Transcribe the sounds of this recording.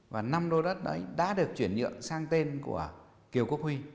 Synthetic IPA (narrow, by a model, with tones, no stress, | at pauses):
vaː˨˩na˧mɗo˧ɗə˦˥t̚ɗə̰˨˦jɗa̰ː˧˥ɗɨ˨˩ək̚t͡ɕwi˧˩ənzɨ̰˧˨əŋsaː˧ŋt̪e˧nkṵ˧˩ə | ki˨˩əwku˦˥ək̚hwi˧